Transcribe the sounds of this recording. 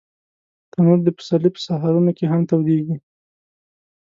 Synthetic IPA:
t̪anuɾd̪əpə̥salipə̥saɦaɾunokeɦamt̪awd̪eɡi

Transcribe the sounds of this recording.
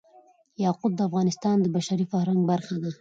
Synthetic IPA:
jɑqʊb̪̚d̪əafɣɑnɪst̪ɑnd̪əbaʃaɾifahɾaŋɡbaɾxad̪a

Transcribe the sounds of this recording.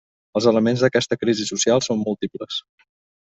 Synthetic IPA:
əlˠzələmenzðəkɛst̪əkɾizisusialˠsomːulˠt̪ipləs

